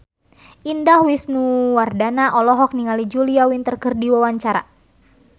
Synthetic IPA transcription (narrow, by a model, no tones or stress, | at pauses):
ʔindahwisnuwardanaʔɔlɔɦɔk̚niŋalid͡ʒuliawint̪ərkərdiwawaɲt͡ʃaɾa̰